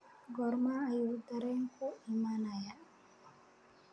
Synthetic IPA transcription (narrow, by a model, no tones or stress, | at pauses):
ɡɔɾmaːjud̪aɾɛŋkoimanaja